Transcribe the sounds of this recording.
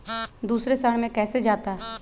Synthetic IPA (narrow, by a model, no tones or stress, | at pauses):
d̪uːsɾesaɽmẽkɛːsed͡ʒaːt̪aɦ